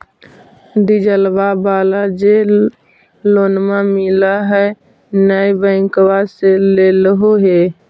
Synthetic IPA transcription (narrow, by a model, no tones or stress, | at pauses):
d̪id͡ʒəlbabaːlad͡ʒe | loːnmamilaɦɛ | nəjbə̃ɪ̃kwaseleləɦoɦe